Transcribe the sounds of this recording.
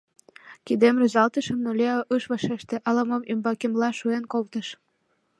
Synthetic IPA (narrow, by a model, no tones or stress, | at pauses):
kid̪emrəzɑlt̪əʃə̆mnolʲeɑʔɯʃβɑʃeʃt̪ĕʔɑlɑmomymbɑkemlɑʃuenkolt̪əʃ